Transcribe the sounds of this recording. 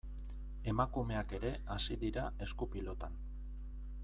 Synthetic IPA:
e̞makume̞ake̞ɾe̞asiðiɾae̞skupilo̞t̪an

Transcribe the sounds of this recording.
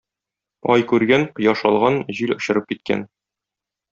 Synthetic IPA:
ɒjkʉɾɡænqɤ̆jɑʃɒlˠʁɑnʑilŏɕɤ̆ɾɤp̚kit̪̚kæ̰n

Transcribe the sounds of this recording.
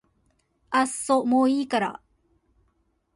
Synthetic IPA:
asːomoːiːkaɾa̰

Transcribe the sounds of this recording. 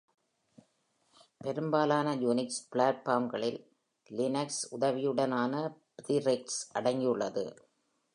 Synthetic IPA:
pɛɾɯmbaːlaːnɐjuːnɪkspɭaːʈ̚paːmɡɐɭɪlː | ɪnɐksʊðɐʋɪjɯɽɐnaːnɐpɾiɾɛk̚ʈsʔɐɽɐŋɡiɯɭːɐðɯ̰

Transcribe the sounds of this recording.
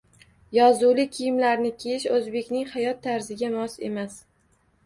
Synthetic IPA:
jɒzulɪkʲʰɪjɪmlaɾnɪkʲʰejɪʃɵzbe̞kʲnɪŋhajɒt̪ʰːaɾzɪɡʲamɒse̞̰mas

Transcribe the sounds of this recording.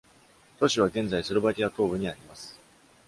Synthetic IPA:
t̪o̞ɕiβ̞aɡẽ̞nd͡zaisɨɾobakʲiat̪o̞ːbɯ̟ɲ̟iaɾʲimasɨ̥

